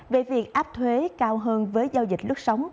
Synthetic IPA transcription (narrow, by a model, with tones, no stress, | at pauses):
ve˨˩vi˨˩ək̚ʔaː˦˥p̚t̪ʰwe˨˦kaː˧wɦəː˧nvəː˨˦jzaː˧wzï˨˩t̟̚lɨ˦˥k̚sə˨˦wŋ͡m